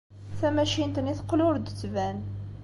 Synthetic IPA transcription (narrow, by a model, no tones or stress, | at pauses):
θæmæʃint̪niθəqːlʊɾd̪ət͡sːvæn